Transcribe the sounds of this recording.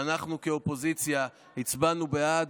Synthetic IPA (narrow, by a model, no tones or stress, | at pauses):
anaχnukeo̞po̞zit͡sja | hit͡sbanubead